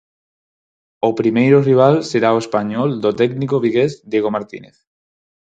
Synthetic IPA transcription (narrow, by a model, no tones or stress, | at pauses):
opɾimejɾoriβ̞alseɾaoespaɲɔld̪ot̪ɛɡnikoβ̞iɣezd̪jeɣomaɾt̪ḭnḛθ